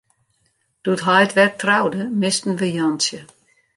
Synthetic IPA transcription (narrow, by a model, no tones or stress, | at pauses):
d̥utɦɔjtʋɛrtrawdəmɪstn̩ʋəjɔnsjə